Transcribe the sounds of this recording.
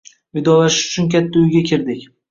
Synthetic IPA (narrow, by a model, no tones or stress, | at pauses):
vɪd̪ɒlaʃɪʃʊ̥t͡ʃʰʊnkʲʰat̪ʰːaʊjɡʲakʲʰɪɾd̪ɪkʲ